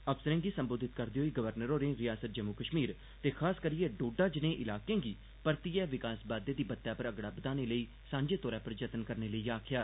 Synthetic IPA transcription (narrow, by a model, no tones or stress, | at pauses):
əpsəɾə̃ŋɡiːsəmboːd̪ʱɪt̪kəɾd̪eoːiːɡəʋəɾnəɾõːɾẽːɾɪjaːsət̪̚d͡ʒəmukəʃmiːɾ | t̪eːkʰaːskəɾijeːɖoːɖaːd͡ʒɪnẽːʔɪlaːkẽːɡiː | pəɾt̪iːɛːʋɪkaːsbaːd̪eːd̪iːbət̪ːjaːpəɾəɡɽaːbəd̪aːneːləiː | sãːɲd͡ʒeːt̪ɔːɾaːpəɾd͡ʒət̪ənkəɾneːləiːaːkʰjaː